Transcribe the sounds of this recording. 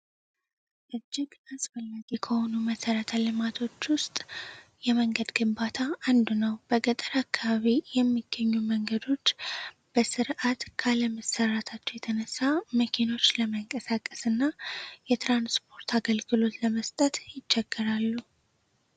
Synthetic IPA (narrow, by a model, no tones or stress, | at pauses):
ʔɨd͡ʒːɪɡasfəlːaɡikʰəho̞numəsəɾət̪ʰalɨmat̪ʰo̞t͡ʃːwʊst̪ʼjɛməŋɡəd̪ɡɨmbat̪ʰaand̪unəwb̥əɡət̪ʼəɾakːaβaβijɛmːiɡ̥ːəɲːuməŋɡəd̪o̞t͡ʃː | b̥əsɨɾʔat̪kʰaləməsːərat̪ʰat͡ʃːɛwjɛt̪ʰənəsːaməkʰino̞t͡ʃːləməŋkʼəsakʼːəsɨnːajɛt̪ɾanspʰo̞ɾt̪ʰaɡəlɡɨlo̞t̪ləməst̪ʼət̪jɪt͡ʃːɛɡ̥ːəɾalːu